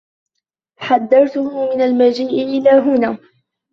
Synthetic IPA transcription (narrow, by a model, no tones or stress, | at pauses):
ħad̪ːɑɾˤt̪ʊhmɪnalmad͡ʒiːʔɪʔɪlaːɦʊnaː